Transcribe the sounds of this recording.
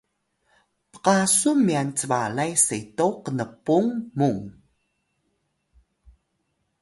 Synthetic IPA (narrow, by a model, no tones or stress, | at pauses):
pə̥qasumiant͡səvalajsetowqənəpːuŋmuŋ